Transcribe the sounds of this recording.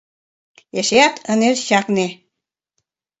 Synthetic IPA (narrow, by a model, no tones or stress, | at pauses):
eʃeɑt̪ʰənerɕɑkne